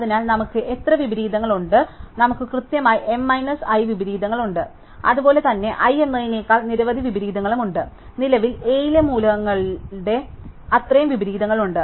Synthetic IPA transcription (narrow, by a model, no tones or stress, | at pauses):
ɐðinaːlnɐmukːɨʔe̞t̪rɐʋibɐɾiːd̪ɐŋːɐɭuɳɖɨnɐmukːɨkrɨt̪jɐmaːjiʔe̞mːɐjnɐsɐjʋibɐɾiːd̪ɐŋːɐɭuɳɖɨ | ɐ̰ðubo̞ːle̞t̪ɐnːe̞ʔɐjenːɐjineːkːaːɭniɾɐʋɐd̪ʱiʋibɐɾiːd̪ɐŋːɐɭumuɳɖɨ | nilɐʋile̞ːjlɐmuːlɐɣɐŋːɐɭɖe̞ɐt̪rɐjɐmʋibɐɾiːd̪ɐŋːɐɭuɳɖɨ